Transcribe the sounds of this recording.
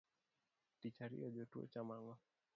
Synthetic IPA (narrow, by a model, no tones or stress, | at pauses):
tit͡ʃaɾḭɔʄɔtṵɔ̰t͡ʃamaŋɡɔ